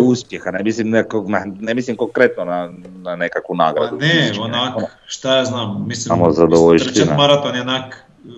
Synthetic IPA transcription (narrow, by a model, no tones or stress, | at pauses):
uspjexanemislimnknanemislimkoŋkɾet̪nona | nanekakʋuna̰ːɡɾa̰d̪uneonak | ʃt̪ajaznaːmːisliamozad̪oʋoʎsinamaɾat̪onjonak